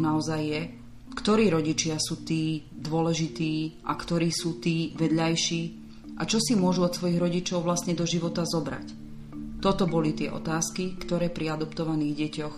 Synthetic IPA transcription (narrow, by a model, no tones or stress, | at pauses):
naɔzajːɛ | kt̪ɔɾiːɾɔɟit͡ʃɪasuːt̪iːd̪ʊɔlɛʒit̪iːʔa̰kt̪ɔɾiːsuːt̪iːʋɛd̪ʎajʃiː | ʔat͡ʃɔsimʊɔʒuɔt̪sʋɔjiɣɾɔɟit͡ʃɔʊʋlast̪ɲɛd̪ɔʒiʋɔt̪azɔbɾa̰c | t̪ɔt̪ɔbɔlit̪ɪɛ̰ʔɔ̰t̪aːskikt̪ɔɾɛːpɾiad̪ɔpt̪ɔʋaniːɣɟɛcɔx